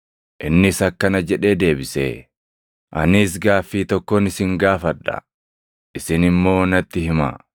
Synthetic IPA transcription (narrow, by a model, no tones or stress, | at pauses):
ʔɪnːɪsɐkːɐnɐd͡ʒɛᶑe̞ːd̪e̞ːbɪsḛ | ʔɐ̰nɪs̬ɡaːfːiːt̪ɔkːɔnɪsɪŋɡaːfɐᶑːɐ̰ | ʔɪsɪnɪmːo̞ːnɐt̪ːɪhɪmɐ̰